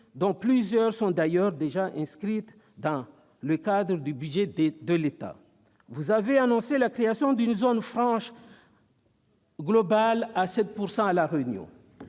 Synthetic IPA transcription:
d̪ɔ̃plyzjœʁsɔ̃d̪ajœʁd̪eʒaʔɛ̃skχit̪ | d̪ɑ̃ | ləkad̪ʁəd̪ybyd̪ʒɛd̪əlet̪a̰ | vuzaveanɔ̃selakχeasjɔ̃d̪ynzonfʁɑ̃ʃ | ɡlɔbalasɛt̪̚puʁsɑ̃alaʁeynjɔ̰̃

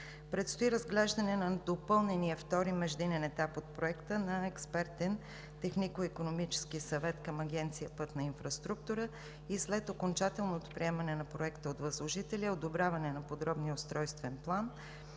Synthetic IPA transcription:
pɾɛt̪st̪oiɾəzɡlɛʒd̪ɐnɛnɐd̪opɤlˠnɛniəft̪ɔɾimɛʒd̪inɛnɛt̪apot̪̚pɾoɛkt̪ənɐɛkspɛɾt̪ɛn | t̪ɛxnikoikonomit͡ʃɛ̥sk̟isɐvɛt̪kɐmɐɡ̟ʲɛnt̪sijəpɤt̪nɐinfɾɐst̪ɾuk̚t̪ʊɾə | islɛt̪okont͡ʃat̪ɛlˠnot̪o̥pɾiɛmɐnɛnɐpɾoɛkt̪əot̪vɐzlˠoʒit̪ɛliəod̪obɾʲavɐnɛnɐpod̪ɾɔbniəost̪ɾɔjst̪vɛnplˠan

